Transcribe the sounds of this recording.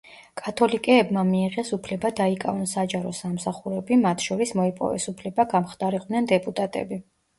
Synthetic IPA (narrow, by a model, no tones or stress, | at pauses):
kʼat̪ʰɔlikʼɛːbmamiːʁɛsupʰlɛbad̪aikʼa̰vɔnsad͡ʒaɾɔsamsaχuɾɛbimat̪ʰʃɔɾismɔipʼɔ̰vɛ̰supʰlɛbaɡamχd̪ʼaɾiq̪ʼnɛnd̪ɛpʼut̪ʼat̪ʼɛ̰bi